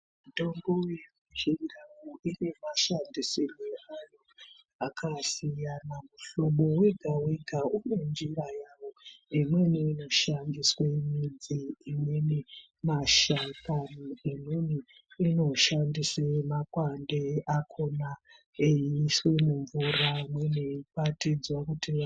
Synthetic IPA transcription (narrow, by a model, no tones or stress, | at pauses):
mutoŋɡojemut͡ʃiŋdawuʔine̞maʃandisiniajo̞ | akʰasijanamuɬoɓo̞weɡʱawiɡʱaune̞nd͡ʒirajawo̞imweniino̞ʃandiswemid͡ziːmweni | maʃatanoimeni | ino̞ʃandisemakwandeʔakʰo̞na | ejiswe̞muɱvuramweniipatid͡zwakutia